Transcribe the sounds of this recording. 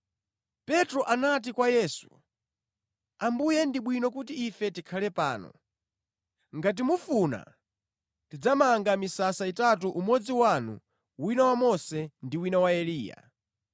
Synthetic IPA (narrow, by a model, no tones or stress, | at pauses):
pɛtɾɔʔanat̬ikwajɛːsu̥ | ambujɛndiɓwinɔk̬utiifɛtikʰalɛpa̰ːnɔ̰ | ŋɡat̬imufuna̰ | tid͡zamaŋɡamisasaitat̬uʔumwɔd͡ziwanṵ | winawamɔsɛndiwinawaɛliːja̰